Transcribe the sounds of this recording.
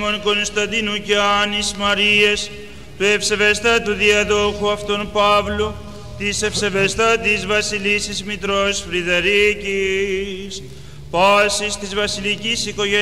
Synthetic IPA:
monko̞nst̪ɐnd̪inuceɐnismɐɾies | t̪ue̞fse̞vest̪ɐt̪uðiɐðoxuɐft̪onpɐvlu | t̪ise̞fse̞vest̪ɐt̪izvɐsilisizmit̪ɾosfɾiðeɾici | s | pɐsist̪izvɐsilicisiko̞ʝe

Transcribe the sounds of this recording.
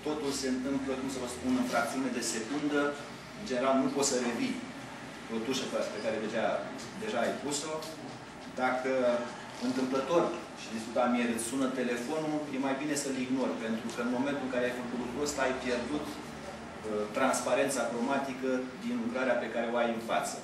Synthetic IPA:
t̪o̞t̪ulse̞ɨnt̪ɨmplokumsəvəspunɨnfɾak̚t̪siuned̪e̞se̞kund̪ə | ɨnd͡ʒe̞neɾalnupo̞t̪səɾe̞vi | po̞t̪uʃepaspe̞kaɾe̞ved͡ʒa | d̪e̞ʒaːjpuso̞ | d̪akə | ɨnt̪ɨmplət̪o̞rʲ | ʃid̪iskut̪amieɾesunət̪e̞le̞fo̞nuje̞majbine̞səliɡno̞rpe̞nt̪ɾukəɨnmo̞me̞nt̪ulɨŋkaɾeajfəkut̪ut̪ɾost̪ajpje̞rd̪ut̪ | t̪ːɾanspaɾe̞nt̪sakɾomat̪ikəd̪inlukɾaɾeape̞kaɾe̞o̞ajɨnfa̰t̪sə

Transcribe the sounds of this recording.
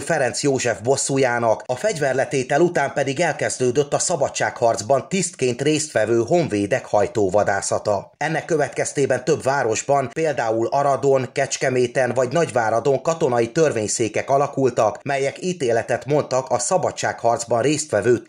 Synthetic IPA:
fɛɾɛnt̪sjoːʒɛvbo̞sːujaːnɒkɒfɛɟvɛrlɛt̪eːt̪ɛlut̪aːmpɛd̪iɡɛlkɛzd̪øːd̪ø̞t̪ːɒsɒbɒtt͡ʃːaːkhɒrd̪zbɒnt̪ist̪keːnt̪reːst̪ʋɛvøːɦo̞ɱveːd̪ɛkhɒjt̪oːvɒd̪aːsɒt̪ɒ | ɛnːɛkːø̞vɛt̪kɛst̪eːbɛnt̪ø̞bvaːɾo̞ʒbɒnpeːld̪aːulɒɾɒd̪o̞ŋkɛt͡ʃkɛmeːt̪ɛnvɒɟnɒɟvaːɾɒd̪o̞ŋkɒt̪o̞nɒjit̪ø̞rveːɲseːkɛkɒlɒkult̪ɒkmɛjɛkiːt̪eːlɛt̪ɛt̪mo̞nt̪ɒkɒsɒbɒtt͡ʃːaːkhɒrd̪zbɒnreːst̪ʋɛvøː

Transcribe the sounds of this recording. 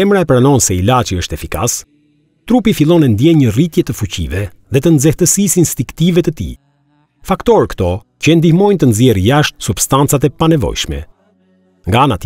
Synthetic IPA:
ɛmɾaɛpɾanɔnsɛilat͡ʃiəʃt̪ɛfika̰s | t̪ɾupifilˠɔnɛnd̪jɛɲərit̪jɛt̪əfucḭvɛ | ðɛt̪ənzɛht̪əsisinst̪iŋkt̪ivɛt̪ət̪ḭ | fakt̪ɔɾkt̪ɔ | cəɛnd̪ihmɔjnt̪ənzjɛɾjaʃt̪̚subst̪ant͡sat̪̬ɛpanɛvɔ̰jʃmɛ̰ | ŋɡaanat̪

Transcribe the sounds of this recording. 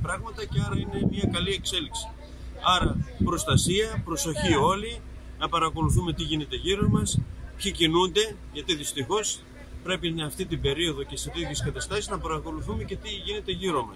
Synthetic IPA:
pɾɐɣmɐt̪ɐceɐɾɐine̞miɐkɐlie̞kse̞liksi̥ | ɐɾɐpɾo̞st̪ɐsiɐpɾo̞so̞çio̞li | nɐpɐɾɐko̞luθume̞t̪iʝine̞t̪e̞ʝiɾo̞mɐspçicinund̪e̞ | ʝɐt̪iðist̪ixo̞s | pɾe̞pinɐft̪it̪ibe̞ɾio̞ðo̞ce̞set̪ieskɐt̪ɐst̪ɐsiznɐpɐɾɐko̞luθume̞ce̞t̪iʝine̞t̪e̞ʝiɾo̞mɐs

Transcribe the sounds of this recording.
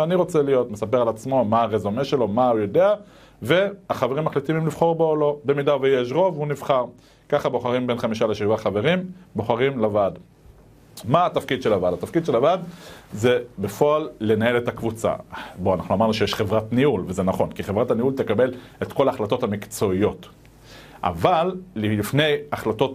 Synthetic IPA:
aniʁo̞t͡selijo̞t̪mesap̬e̞ʁalat͡smo̞maaʁezomeʃe̞lo̞maujo̞de̞a | ve̞aχaveʁimːaχlit̪imimliv̥χo̞ʁbolo̞be̞midavejeʃ̬ʁo̞vunivχaʁ | kaχabo̞χaʁimbe̞nχamiʃaleʃivaχave̞ʁimbo̞χaʁimlavad | maːt̪afkid̪ʃe̞lavadat̪afkid̪ʃelavad̪ze̞be̞foalːe̞nae̞le̞takvut͡sa̰bo̞anaχnuamaʁnuʃe̞jeʃχevʁatniulvezenaχo̞nkiχevʁataniult̪ekabe̞let̪ko̞laːχlato̞t̪hamikt͡so̞ijo̞t | ʔa̰valːifne̞jaχlato̞t

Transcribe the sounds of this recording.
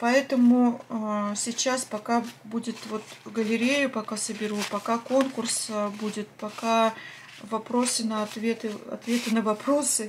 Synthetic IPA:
pɐɛt̪əmʊ | sʲɪt͡ɕːaspɐkabudʲɪt̪vo̞t̪ɡəlʲɪɾʲejʊpɐkasəbʲɪɾupɐkako̞nkʊrsbudʲɪt̪pɐka | vɐpɾo̞sɨnəɐt̪vʲe̞t̪ɨɐ̰t̪vʲe̞t̪ɨnəvɐpɾo̞sɨ

